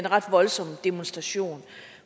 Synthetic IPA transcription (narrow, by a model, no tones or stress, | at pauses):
enʁɑ̈d̥ʋɒ̽lsɒ̽md̥emo̝nsd̥ʁɑ̈ɕo̝̰ːn